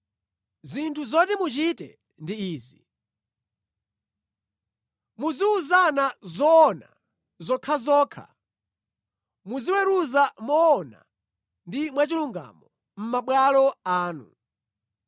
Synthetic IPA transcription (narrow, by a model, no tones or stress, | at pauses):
zintʰuzɔtɛmut͡ʃitɛ̰ | ndiiːzi | muziuzanazɔːna̰ | zɔkʰazɔːkʰa̰ | muziwɛɾuzamɔːna̰ | ndimwat͡ʃiluŋɡa̰mɔ | m̩maɓwalɔaːnu